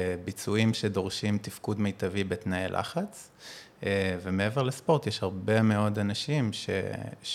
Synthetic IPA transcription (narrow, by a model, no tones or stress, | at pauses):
bit͡suimʃe̞do̞ʁʃimtifkudmejtavibet̪naelʔa̰χat͡s | vemeeveʁlespo̞ʁt̪jeʃhaʁbe̞meo̞danaʃimʃḛ